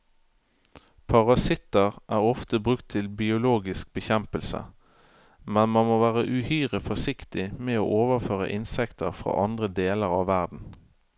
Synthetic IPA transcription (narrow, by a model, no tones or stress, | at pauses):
pʰɑʁɑsɪt̪əʁʔæːʁɔft̪əbʁʉkt̪ʰːɪlbɪʊloːɡɪsk̚bəçɛmpəlsə̰ | mɛnmɑnmoːʋæːʁəʔʉhyːʁəfɔsɪkt̪ɪmeːoːʔoːʋəʁføːʁə̰ʔɪnsɛkt̪əʁfʁɑ̰ːʔɑnd̪ʁəd̪eːləʁɑːʋːæʁd̪n̩